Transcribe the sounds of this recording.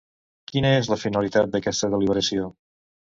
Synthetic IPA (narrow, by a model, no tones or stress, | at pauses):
kinəezləfinəlit̪at̪̚d̪əkɛst̪əðəliβəɾəsio